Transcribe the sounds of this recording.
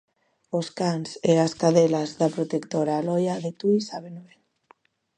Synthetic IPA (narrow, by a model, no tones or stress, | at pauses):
oskaŋseaskaðelazðapɾot̪ekt̪oɾaːlɔjaðet̪uisaβenoel